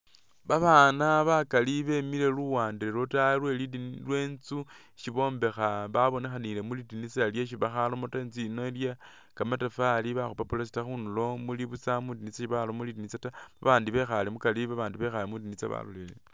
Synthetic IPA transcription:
βaβaːnaβakaliβe̞mile̞luwaːndiɾelotalwe̞lidlwe̞ːnt͡su | ʃiβo̞ːmbe̞xaβaβo̞nexanile̞mulidinit͡saaljeʃ̬iβaxalomotanzino̞ilja | kamatafaliβaxupapulas̬i̥taxunulo̞muliβut͡samudinit͡saʃiβalomulidinit͡sataβa̰βaːndiβe̞xalemukaliβaβaːndiβe̞xalemudinit͡sa̰βa̰lolelḛ

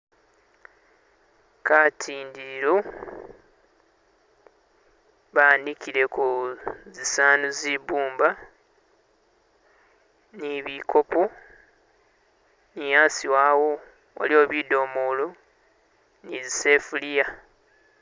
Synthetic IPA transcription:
katʰiːndiɾo | βanikiɾe̞kuzisaːnuzibuːmba | niβikʰo̞po | nijaːsiwaːwo | o̰lio̞ːβido̞ːmulu | nizisefulija

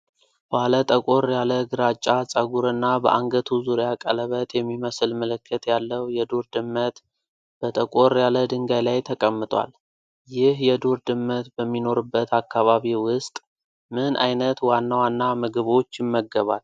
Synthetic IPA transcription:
balət̪ʼəkʼo̞ɾjaləɡɨɾat͡ʃʼːat͡sʼəɡuɾɨnːabəʔaŋɡət̪ʰuzuɾjakʼə̰ləβət̪jɛmːiməslmələkʰːət̪jalːəwjɛd̪uɾd̪ɨmːət̪ | b̥ət̪ʼəkʼo̞ɾjaləd̪ɨŋɡajlajt̪ʰəkʼəmːɨt̪ʼwa̰l | jɪhjɛd̪uɾd̪ɨmːət̪bəmːino̞ɾɨbːət̪ʰakʰːaβaβiwʊst̪ʼ | mɨnʔa̰jnət̪wanːawanːamɨɡɨβo̞t͡ʃːjɪmːəɡːəβa̰l

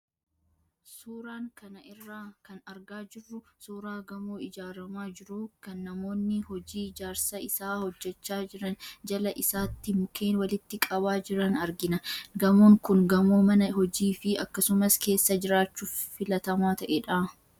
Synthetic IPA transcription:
suːɾaːŋkɐnɐʔɪrːaːkɐnɐɾɡaːd͡ʒɪrːʊsuːɾaːɡɐmoːɪd͡ʒaːɾɐmaːd͡ʒɪɾukɐnːɐmo̞ːnːɪhɔd͡ʒiːɪd͡ʒaːɾsɐɪsaːhɔd͡ʒːɛt͡ʃːaːd͡ʒɪɾɐnd͡ʒɐlɐʔɪsaːt̪ːɪmʊkʰeːnwɐlɪt̪ːɪkʼɐbaːd͡ʒɪɾɐnɐɾɡɪnɐɡɐmoːŋkʊŋɡɐmoːmɐnɐɦɔd͡ʒiːfɪɐkːɐsʊmɐske̞ːsːɐd͡ʒɪɾaːt͡ʃːuːffɪlɐt̪ɐmaːt̪ɐʔeᶑaː

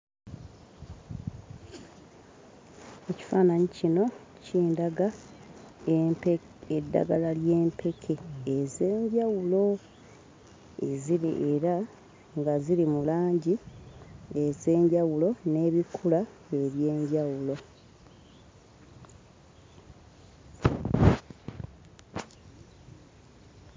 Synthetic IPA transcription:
e̞ci̥faːnaɲicino̞ | cʰiːndaɡa | pe | edːa̰ɡalalje̞ːmpʰe̞kʰe̞ːze̞ːɲɟawulo̞ | e̞̰ziɾḭʔeɾa | ŋɡaziɾimulaːɲɟi | e̞ze̞ːɲɟawulo̞ne̞ːβikʰula | e̞βje̞ːɲɟawulo̞

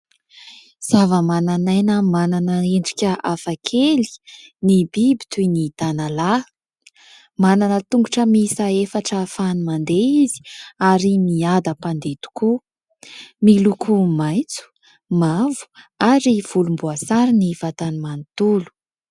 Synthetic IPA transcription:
z̥avəmananajnəmananəeɳɖ͡ʐikʲəʔafakʰeli̥nibibi̥t̪ujnit̪anala | mananət̪uŋɡuʈ͡ʂəmisaefaʈ͡ʂəfanimand̪eizi̥aɾimiad̪əpand̪et̪u̥ku | milukʰumajnt͡su̥ | mavu̥aɾiv̥ulumbuasaɾiniv̥at̪animanit̪ulu̥

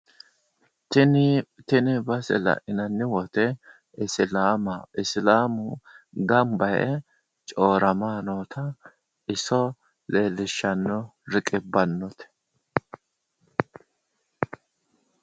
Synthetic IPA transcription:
t̪ɪnt̪ɪnɪbɐsɛ̰lɐ̰ʔɪnɐnːɪwɔt̪ɛ | ɪslaːmɐɪslaːmʊɡɐmbɐjɛ̰ | t͡ʃʼoːɾɐmaːnoːt̪ɐ | ɪsɔ | le̞ːlːɪʃːɐnːɔɾɪkʼɪbɐnːɔt̪ɛ̥

